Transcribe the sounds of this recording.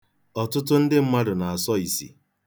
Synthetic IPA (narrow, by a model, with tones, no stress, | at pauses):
ɔ˨tʊ˦t̬ʊ˦n̩˦dɪ˦m̩˦ma˦dʊ˨na˨a˨sɔ˦i˨sḭ˨